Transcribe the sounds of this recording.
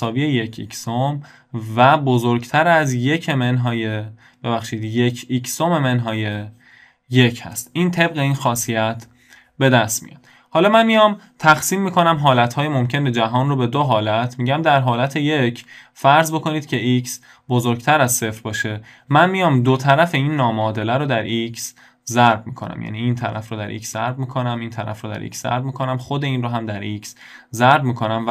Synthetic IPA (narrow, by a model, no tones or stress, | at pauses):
sɒːbiːeje̞cʰiksom | væbozoɾɡt̪ʰæɾæzje̞cʰemenɦɒːje | b̥e̞βæxʃiːd̪je̞cʰikʰsome̞me̞nɦɒːje | jecʰhæ̰st̪ʔiːnt̪ʰe̞bɣe̞iːnxɒːsijæt̪ʰ | be̞d̪æst̪mḭjɒ̰ːd̪̥ | hɒːlɒːmænmijɒːm | t̪ʰæxsiːmːiːkʰo̞næmɦɒːlæt̪hɒːjemo̞mcʰened͡ʒæɦɒːnrobe̞d̪oɦɒːlæt̪ʰmiːɟæmd̪æɾɦɒːlæt̪ʰejecʰfæɾzbo̞kʰo̞niːd̪̥cʰe̞ʔiks | bozoɾɡt̪ʰæɾæzse̞fɾbɒːʃe̞ | mænmijɒːmd̪ot̪ʰæɾæfe̞iːnːɒːmɒːd̪e̞læɾod̪æɾʔiks | zæɾbmḭkʰonæ̰mjæ̰niːnt̪ʰæɾæfɾoːd̪æ̰ɾʔḭkszæɾbmiːkʰonæmint̪ʰæɾæ̰fɾoːd̪æ̰ɾʔḭkszæ̰ɾbmiːkʰonæmχod̪eiːnroːɦæmd̪æɾiks | zæɾbmiːkʰo̞næmv